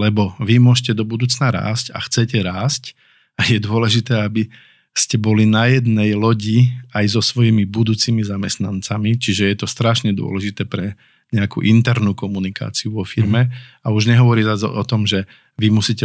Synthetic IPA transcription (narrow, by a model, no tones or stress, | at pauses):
lɛbɔʋimʊɔʃcɛd̪ɔbud̪uːt͡snaɾa̰ːsca̰xt͡sɛcɛɾaːsc | ajɛd̪ʊɔlɛʒit̪ɛːabi | scɛbɔlinajɛd̪nɛjlɔɟiajzɔsʋɔjimibud̪uːt͡simizamɛst̪nant͡samit͡ʃiʒɛjɛt̪ɔst̪ɾaʃɲɛd̪ʊɔ̰lɛʒit̪ɛːpɾɛ | ɲɛakṵːʔint̪ɛɾnuːkɔmunika̰ːt͡siuʋɔfiɾmɛauʒɲɛɦɔʋɔɾizazɔ̰ɔt̪ɔmʒɛ | ʋimusicɛ